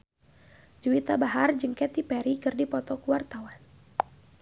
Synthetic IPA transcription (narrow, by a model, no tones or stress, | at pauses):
d͡ʒuit̪abaɦard͡ʒəŋkɛt̪ipɛɾikɨrdipɔt̪ɔkuwart̪awan